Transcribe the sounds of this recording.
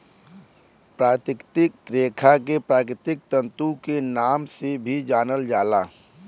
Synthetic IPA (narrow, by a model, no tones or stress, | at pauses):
pɾaːt̪ɪkt̪ɪkːɾeːkʰak̬epɾaːkɾɪt̪ɪk̚t̪ə̃nt̪ukenaːmsebʱid͡ʒaːnəld͡ʒaːlaː